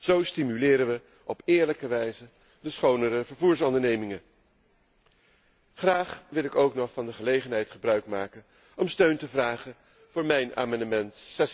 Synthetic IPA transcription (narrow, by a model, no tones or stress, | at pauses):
z̥owstimylɪːɾənʋə | ɔpɪːɹləkəʋɛjzə | dəsχownəɾəvəɹvuːɹsɔndəɹnejmɪŋə | χraːχʋɪlˠɪkowknɔχfɑndəχəlejχənɦɛjtχəbrœɥkmaːkən | ɔmstøɥntəvraːχən | v̥ʊːɹmɛjna̰ːmɑndəmɛntsɛs